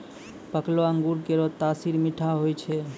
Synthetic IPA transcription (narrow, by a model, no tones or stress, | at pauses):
pəkloəŋɡuɾkeɾot̪asiɾmiʈʰaɦojt͡ʃʰɛ